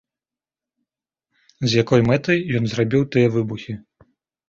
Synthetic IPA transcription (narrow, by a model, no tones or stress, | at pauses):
zʲjakɔjmɛt̪ɐjjɔnzrabʲiwt̪ɨjɛvɨbuxʲi